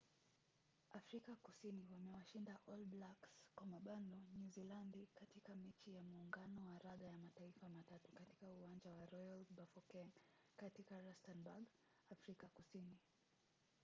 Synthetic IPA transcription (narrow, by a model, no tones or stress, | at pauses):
ʔafɾikakusiniwamɛwaʃindaʔɔlblakskwamaɓandɔɲuzilandikatikamɛt͡ʃijamuːŋɡanɔwaɾaðajamataifamatatukati̥kauand͡ʒawaɾɔjalbafɔkɛ | katikaɾastɛnbaɡ | afɾikakusini